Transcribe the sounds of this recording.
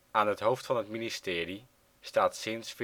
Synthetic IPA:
aːnɦətɦowftfɑnɦətministɪːri | staːtsɪnsf

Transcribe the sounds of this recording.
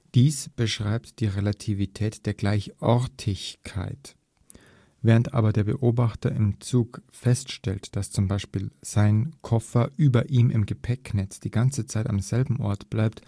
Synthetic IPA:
d̥iːsb̥əʃʁ̥aɪptd̥iːʁelatʰivitʰɛːtd̥eːɐɡlaɪçʔɔɐtʰɪçkʰa̰ɪt | v̥ɛːʁəntʔa̰ːbɐdeːɐbəʔoːbaχtɐʔɪmt͡suːkfɛstʃtɛltd̥ast͡sʊmbaɪʃpiːlz̥aɪnkʰɔfɐʔyːbɐʔiːmʔɪmɡəpʰɛknɛt͡sd̥iːɡant͡sət͡saɪta̰mzɛlbm̩ʔɔ̰ɐtb̥laɪpt

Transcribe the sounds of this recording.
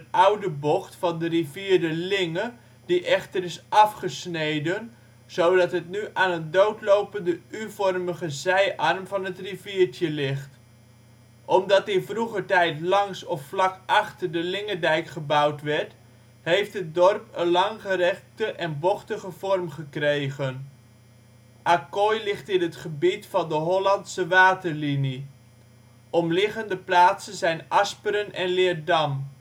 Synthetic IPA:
ətawdəbɔχtfɑndəriviːdəlɪŋə | diʔɛχtərɪsʔɑfχəsnejdən | z̥owdɑtɦətnyʔaːnɦədowtlowpəndəyvɔrməχəzɛjʔɑrmvɑnətriviːɹtjəlɪχt | ʔɔmdɑtɪnfruχətɛjtlɑŋsɔfflɑkʔɑχtərdəlɪŋədɛjkχəbawtʋɛɹt | hejftɦət̚dɔrpənlɑŋχərɛχtəʔɛnbɔχtəχəv̥ɔrmχəkrejɣən | ʔakojlɪχtɪnɦətχəbitfɑndəɦɔlɑntsəʋaːtərlini | ʔɔmlɪχəndəplaːtsənzɛjnɑspəɾənɛnlɪːərdɑm

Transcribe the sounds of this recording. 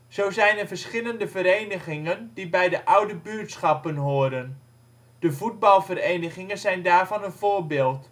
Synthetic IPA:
z̥owzɛjnəvəɹsχɪləndəvəɾejnəχɪŋəndibɛjdəʔʌwdəbyːɹtsχɑpənɦoːədən | d̥əvud̚bɑlˠvərejnəχɪŋənzɛjndaːɹvɑnənvʊːɹbɪːlˠt

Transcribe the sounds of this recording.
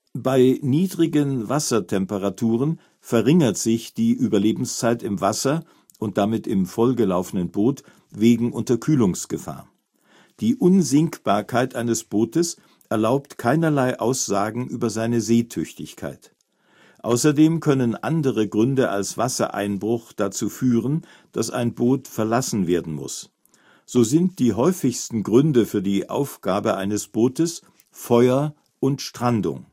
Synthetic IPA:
b̥aɪniːdʁɪɡənvasɐtʰɛmpəʁatʰuːʁ̞ən | fɛɐʁɪŋɐtz̥ɪçd̥iːʔyːbɐleːbm̩st͡saɪtɪmvasɐ | ʔʊnt̚d̥amɪtɪmfɔlɡəlaʊfənənboːt | veːɡŋ̩ʔʊntɐkʰyːlʊŋsɡ̥əfa̰ːɐ | d̥iːʔʊnzɪŋkb̥aːɐkʰaɪtʔaɪnəsb̥oːtəs | ʔɛɐlaʊptkʰaɪnɐlaɪʔaʊsz̥aːɡŋ̩ʔyːbɐzaɪnəzeːtʰʏçtɪçkʰa̰ɪt | ʔa̰ʊsɐdeːmkʰœnənʔa̰ndəʁəɡʁʏndəʔa̰lsv̥asɐ̰ʔa̰ɪnbʁʊχd̥at͡suːfyːʁən | d̥asa̰ɪnboːtfɛɐlasn̩veːɐdn̩mʊ̰s | z̥oːzɪnt̚d̥iːɦɔʏfɪçstn̩ɡʁʏndəfyːɐdiːʔa̰ʊfɡ̥aːbəʔa̰ɪnəsb̥oːtəs | fɔʏɐ | ʔʊntʃtʁ̥andʊ̰ŋ

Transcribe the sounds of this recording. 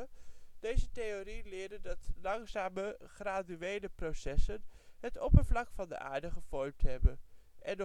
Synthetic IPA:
d̥ejzətejorilɪːɹdəndɑtlɑŋzaːməχraːdyejləprosɛsənɦətɔpəɹvlɑkfɑndə̰ʔa̰ːɹdəχəv̥ɔɹmtɦɛbənʔɛn

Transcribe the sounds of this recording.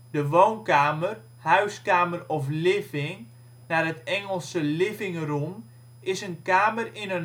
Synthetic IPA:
dəʋownkaːmər | hœɥskaːmərɔflɪfɪŋ | narətɛŋəlˠsəlɪvɪŋrum | ɪsənkaːmərɪnən

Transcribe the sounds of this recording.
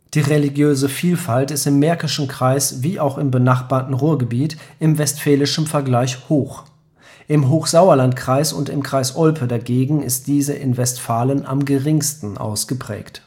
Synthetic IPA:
d̥iːʁeliɡjøːzəfiːlfaltɪstɪmːɛɐkɪʃn̩kʁ̥aɪsviːʔaʊxɪmbənaχb̥aːɐtn̩ʁuːɐɡəbiːtʔɪmvɛstfɛːlɪʃn̩fɛɐɡlaɪçhoːx | ʔɪmɦoːxz̥aʊɐlantkʁ̥aɪsʊ̰ntɪ̰mkʁ̥aɪsʔɔlpʰədaɡeːɡŋ̩ɪ̰st̚d̥iːzəʔɪ̰nvɛstfaːlənʔa̰mɡəʁɪŋstn̩ʔa̰ʊsɡ̥əpʁ̥ɛ̰ːkt

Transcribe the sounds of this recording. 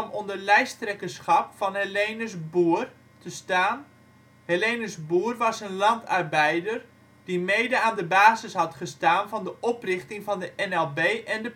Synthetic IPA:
mondərlɛjstrɛkəsχɑpfɑnɦəlejnəsbuːər | təstaːn | helejnəsbuːərʋɑsənlɑntʰarbɛjdər | d̥imejdəaːndəbaːzəsɦɑtχəstaːnvɑndəʔɔprɪχtɪŋvɑndəʔɛnɛlˠbeːʔɛndə

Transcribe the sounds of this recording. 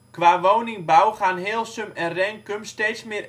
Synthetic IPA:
kʋaːʋownɪŋbawχanɦeːəlˠsømɛrɛŋkømsteːtsmɪr

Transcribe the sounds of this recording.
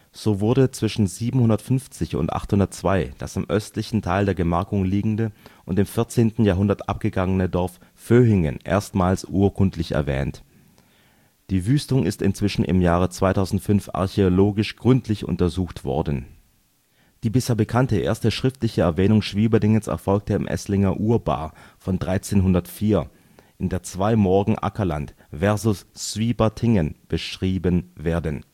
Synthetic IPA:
z̥oːvʊɐdət͡sv̥ɪʃn̩ziːbm̩hʊndɐtfʏnft͡sɪçʊ̰ntʔa̰χthʊndɐtt͡sv̥aɪd̥a̰sɪmʔœstlɪçn̩tʰaɪldeːɐɡəmaɐkʊŋliːɡŋ̩dəʔʊntɪmfɪɐt͡seːntn̩jaːɦʊndɐtʔap̚ɡ̥əɡaŋənədɔɐf | føːɦɪŋə̰nʔḛːɐstmaːlsʔuːɐkʰʊntʰlɪçɛ̰ɐvɛ̰ːnt | d̥iːvyːstʊŋɪ̰stɪ̰nt͡sv̥ɪʃn̩ʔɪ̰mjaːʁ̞ət͡sv̥aɪtʰaʊzn̩tfʏnfa̰ɐçeoloːɡɪʃɡ̥ʁʏntʰlɪçʊ̰ntɐzuːxtv̥ɔ̰ɐdn̩ | d̥iːbɪsheːɐbəkʰantəʔḛːɐstəʃʁ̥ɪftlɪçəɛɐvɛːnʊŋʃv̥iːbədɪŋənsɛ̰ɐfɔlk̚təɪ̰mʔɛ̰slɪŋɐʔuːɐba̰ːfɔndʁaɪt͡seːnɦʊndɐtfiːɐ | ʔɪndeːɐt͡sv̥aɪmɔɐɡŋ̩ʔa̰kɐlant | v̥ɛɐzʊsːv̥iːbɐtʰɪŋənb̥əʃʁ̥iːbənveːɐdən

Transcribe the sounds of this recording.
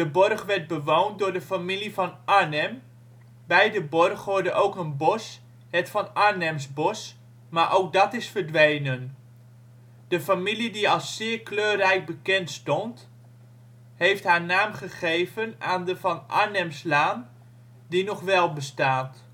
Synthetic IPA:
dəbɔrχʋɛɹt̚bəʋowndʊːɹdəfamilivɑnʔaɹnɛm | bɛjdəbɔrχʋʊɹdəʔowkənbɔs | ɦətfɑnaɹnɛmsbɔs | maːɹʔowk̚dɑtɪsfəɹdʋejnən | d̥əfamilidiɑlˠsːɪːɹkløːrɛjk̚bəkɛntstɔnt | hejftɦaːɹnaːmχəχejvənaːndəvɑnʔa̰ɹnɛmslaːn | dinɔχʋɛlˠbəstaːt

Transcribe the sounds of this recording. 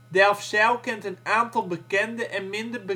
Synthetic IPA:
dɛlˠfsɛlˠkɪntənaːntɔlˠbəkɛndəʔɛnmɪndərbə

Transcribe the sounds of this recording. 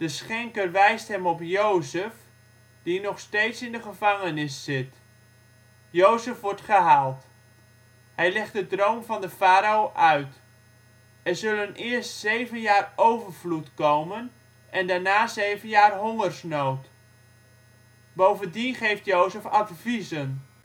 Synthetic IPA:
d̥əsχɛŋkərʋɛjstɦɛmɔpjowzəf | d̥inɔχstejtsɪndəχəvɑŋənɪsːɪt | jowzəfʋɔɹtχəɦaːlˠt | hɛjlɛχt̚dədrownvɑndəfaːɾaoːʔœɥt | ɛɹzɵlənɪəɹstsejvənjaːrowvəɹvlutkowmən | ʔɛndaɹnaːzejvənjaːrɦɔŋərsnowt | bowvəndiχejftjowzəfatvizən

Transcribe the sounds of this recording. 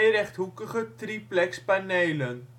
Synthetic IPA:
jɾɛχtɦukəχətriplɛkspanejlən

